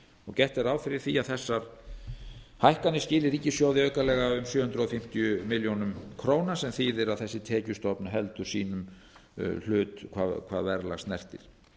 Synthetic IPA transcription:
ɔɣcɛht̪ɛɾaːwfɪɾɪɾ̥θiaðθɛsːaɾ | hajhkanːɪscɪːlɪɾicːɪsjowðɪœːɥkalɛɣaʏmsjœːhʏnɾɔfɪm̥t̪ijʏmɪljownʏmkʰɾoːwnasɛmθiːðɪɾaðθɛsːɪt̪ʰɛːcʏst̪ɔpnʏɦɛlt̪ʏɾ̥siːnʏm | l̥ʏːt̪kʰvaðkʰvaːðvɛɾla̰ɣst̪nɛr̥t̪ɪ̰ɾ̥

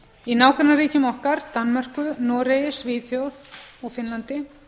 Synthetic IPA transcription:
inaːwkʰaɾnaɾiːcʏmɔhkaɾt̪anmar̥kʏnɔːɾejɪsviːθjowðɔɣfɪnlant̪ɪ

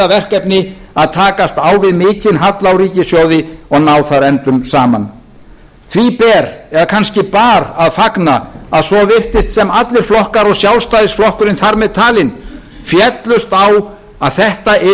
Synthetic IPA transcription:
avɛr̥kɛpnɪaðt̪ʰaːkast̪awvɪðmɪːcɪnɦat̪lawɾiːcɪsjowðɪɔɣnaːwθaɾɛnt̪ʏmsaːma̰n | θʰvipɛːɾɛɾðakʰanscɪpaːɾaðfaknaaðsɔvɪr̥t̪ɪst̪sɛmat̪lɪɾ̥flɔhkaɾɔɣsjawlst̪ajðɪstflɔhkʏɾɪnθaɾmɛðt̪ʰaːlɪn | fjɛt̪lʏst̪aw | aðθɛht̪aɪ

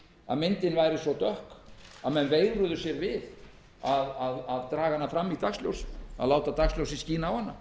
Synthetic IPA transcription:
a̰ðmɪnt̪ɪnvajɾɪsvɔt̪œhkaðmɛnvejɾʏðʏsjɛɾvɪð | aðaðaðt̪ɾaːɣanːafɾamːit̪aksljo̰wsa̰laːwt̪at̪aksljowsɪsciːnaawhanːa̰

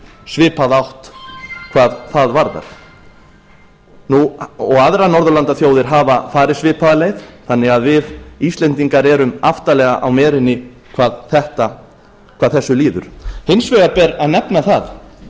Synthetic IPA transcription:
svɪːpaðawht̪kʰvaːðθaðvaɾða̰ɾ̥ | nuɔɣaðɾanɔɾðʏlant̪aθjoːwðɪɾ̥ɦaːvafaːɾɪðsvɪːpaðaleːjθθanːɪɣaðvɪðist̪lɛnt̪iŋkaɾɛːɾʏmaft̪alɛɣaʔawmɛːɾɪnːɪ | kʰvaːðθɛht̪a | kʰv̥aːðθɛsːʏliːðʏ̰ɾ̥hɪnsvɛɣapɛɾaðnɛpnaθað

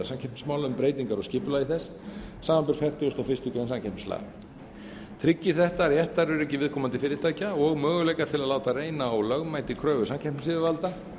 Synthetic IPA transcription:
asamcʰɛpmɪ̥smaːwlaʏmpɾeːjt̪iŋkaɾɔscɪːpʏlajɪθɛsː | aːmanpɪɾ̥fɛr̥t̪ʏɔst̪ofɪst̪ʏkɾansancʰɛpmɪ̥sla̰ː | t̪ʰɾɪcːɪ̥θɛht̪aɾjɛht̪aɾʏɾɛcɪvɪðkʰɔːmant̪ɪfɪːɾɪt̪ʰaːjcaɔɣmœːɣʏlɛjkaɾ̥t̪ʰɪlaðlaːwt̪areːjnaːwlœɣmaːjt̪ɪkʰɾœːvʏsamcʰɛpmsɪːðɪvalt̪a

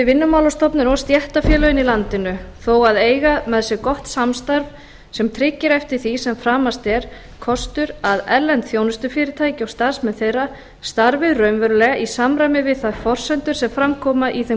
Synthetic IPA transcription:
ɪvɪnːʏmawlɔst̪ɔpnɪnɔst̪jɛht̪afjɛːlœɪnilant̪ɪnʏθowaðeːjɣamɛðsjɛkɔht̪samst̪aɾv | sɛmt̪ʰɾɪcːɪɾɛft̪ɪɾ̥θisɛmfɾaːmast̪ɛɾ̥ | kʰɔst̪ʏɾaðɛlːɛnt̪θjownʏst̪ʏfɪːɾɪt̪ʰaːjcɪawst̪aɾ̥smɛðθejrːa | st̪aɾvɪðrœɥmvœɾʏlɛːɣaʔisamɾajmɪvɪðθaðfɔr̥sɛnt̪ʏɾ̥sɛmfɾamkʰɔːmaʔiθɛ

